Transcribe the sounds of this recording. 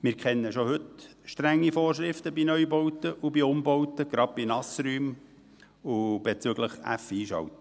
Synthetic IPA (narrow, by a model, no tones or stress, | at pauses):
mɪːɾkʰχɛnːəʃohɵt̪ʃtɾæŋːifoːɾʃɾɪft̪əbinœʏbɔwt̪əʔubiʊmbowt̪əɡ̥ɾɑt̚b̥inɑsɾyːm | ub̥et͡sʏɡləχæ̰fiːʃɑ̰wt̪ə